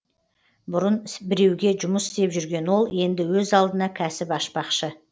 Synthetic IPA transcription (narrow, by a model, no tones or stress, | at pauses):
bʊɾənbɪɾe̞wɡʲe̞ʒʊməsɪst̪e̞pʒʏɾɡʲe̞nwo̞lˠje̞nd̪ɪwɵzɑlˠd̪ənɑkʲʰæsɪpɑʃpɑqʃə